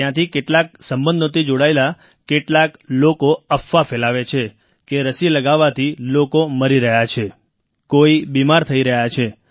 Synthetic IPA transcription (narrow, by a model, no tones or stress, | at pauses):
jãt̪ʰikeʈlak̚səmbə̃nd̪ʱot̪id͡ʒoɽaela | keʈlaklokoəfːafelaʋet͡ʃʰe | keɾəsiləɡaʋːat̪ʰilokoməɾiɾəɦjat͡ʃʰe | koibimaɾt̪ʰəiɾəɦjat͡ʃʰe